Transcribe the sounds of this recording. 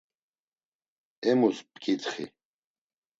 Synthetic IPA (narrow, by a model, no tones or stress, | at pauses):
ɛmuspʰʼkʼit̪χḭ